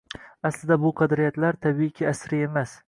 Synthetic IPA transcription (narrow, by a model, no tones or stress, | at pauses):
aslɪd̪abʊqʰɑd̪ɾijat̪laɾt̪ʰabikʲʰɪasɾɪemas